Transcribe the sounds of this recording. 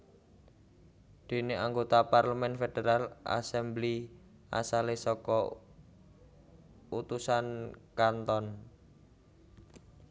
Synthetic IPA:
d̪̥e̤neaŋɡot̪aparləmɛnfed̥eɾalʔa̰sɛmbli | ʔa̰salesɔkɔ | ut̪usankant̪ɔn

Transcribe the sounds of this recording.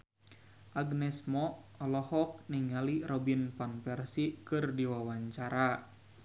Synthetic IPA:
ʔaɡnɛsmɔɔlɔhɔk̚niŋaliɾɔbinpanpɛrsikɨrdiwawaɲt͡ʃaɾa

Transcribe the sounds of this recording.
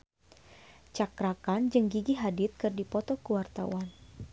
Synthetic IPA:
t͡ʃakɾakand͡ʒəŋɡiɡiɦadɪt̪̚kɨrdipɔt̪ɔkəwart̪a̰wan

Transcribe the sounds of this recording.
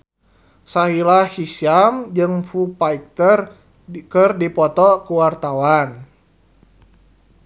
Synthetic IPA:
saɦilahisiamd͡ʒɨŋfupaik̚t̪ər | kərdipɔt̪ɔkuwart̪awan

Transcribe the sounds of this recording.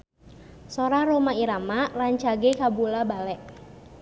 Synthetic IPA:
soɾaɾomaiɾamaraɲt͡ʃaɡekabulabalɛʔ

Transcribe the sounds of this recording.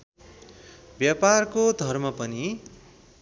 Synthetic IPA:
bjaparkod̪ʱʌrmʌpʌni

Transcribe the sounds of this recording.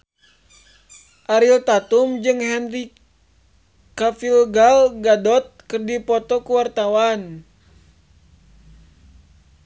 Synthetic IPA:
ʔaɾilt̪at̪umd͡ʒɨŋɦɛnri | kafilɡalɡadɔt̪̚kɨrdipɔt̪ɔkuwart̪awan

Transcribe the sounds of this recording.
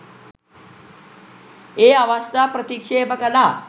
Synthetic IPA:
eaʋast̪apɾət̪ikʂebəɡala

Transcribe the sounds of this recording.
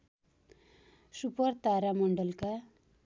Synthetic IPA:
supʌrt̪aɾamʌɳɖʌlka

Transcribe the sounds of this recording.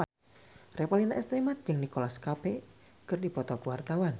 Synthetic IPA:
repalinaʔɛst̪emat̪̚d͡ʒɨŋnikolaskape | kərdipɔt̪ɔkəwart̪awan

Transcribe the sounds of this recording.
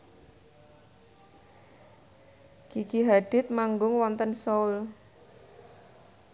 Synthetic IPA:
kikiɦaɖ̥ɪt̪̚maŋɡʊŋwɔnt̪ənsɔul

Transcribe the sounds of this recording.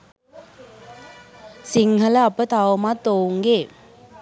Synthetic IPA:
siŋɦələɐpət̪awmat̪oːuŋɡe

